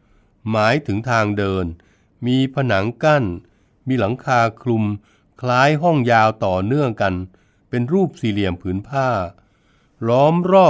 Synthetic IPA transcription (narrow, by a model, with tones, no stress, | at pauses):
maː˩˦jt̪ʰɯ˩˦ŋt̪ʰaː˧ŋdɤː˧n | miː˧pʰa˧na˩˦ŋka˥˩n | miː˧la˩˦ŋkʰaː˧kʰlu˧m | kʰlaː˦˥jɦɔ˥˩ŋjaː˧wt̪ɔː˨˩nɯ˥˩əŋka˧n | pe˧nɾuː˥˩p̚siː˨˩li˨˩əmpʰɯː˩˦npʰaː˥˩ | lɔː˦˥mɾɔː˥˩